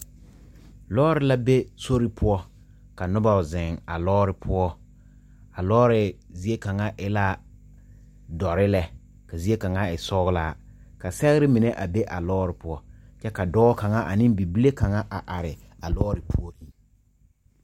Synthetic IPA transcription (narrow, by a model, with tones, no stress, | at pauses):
lɔː˦ɾɪ˨la˦be˦so˦ɾɪ˦pʰʊ˦ɔ˦ | ka˨nʊ˦ba˨zɪ˨ŋa̰˨lɔː˦ɾɪ˨pʰʊ˦ɔ˦ | a˨lɔː˦ɾɪ˨zi˦e˦ka˨ŋa˦ʔɪ˦la˦ | dɔ˨ɾɪ˦lɛ˦ | ka˨zi˦e˦ka˨ŋa˦ɪ˨sɔː˦ɣʊ˦la˦ | ka˨sɛ˦ɣɪ˦ɾɪ˦mɪ˨nɛ˦ʔa˨be˦ʔa˨lɔː˦ɾɪ˨pʊ˦ɔ˦t͡ʃɛ˦ka˨dɔː˦ka˨ŋa˦ʔa˨nɪ˦mbi˨bi˦le˦ka˨ŋa˦ʔa˨ʔa˨ɾɪ˨ | a˨lɔː˦ɾɪ˨pʰʊ˦ɔ˦